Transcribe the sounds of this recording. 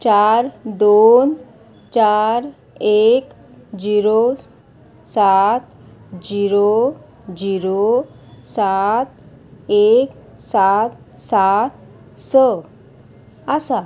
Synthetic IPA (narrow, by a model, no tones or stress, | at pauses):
t͡ɕaɾd̪on | t͡ɕaɾ | ek | d͡ʑiɾo | sat̪ | d͡ʑiɾo | d͡ʑiɾo | sat̪ | ek | sat̪̚ | sat̪ | sə | asa